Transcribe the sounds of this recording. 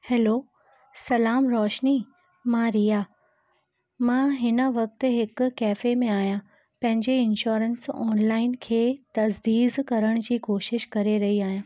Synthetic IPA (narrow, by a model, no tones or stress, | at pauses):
hɛːloː | sɐlaːmɾɔːʃni | mãɾijaː | mãːɦɪnə̆ʋɐk̚t̪ɦɪk̆ːɛːfemẽaːɦijã | pɐ̃ɦɪ̃ɲd͡ʑeɪnʃoːɾənsɔ̰ːnlaːɪnkʰeːt̪ɐzd̪iːzkɐɾəɽ̃d͡ʑiːkoːʃɪʃkɐɾeɾɐɦiaːɦijãː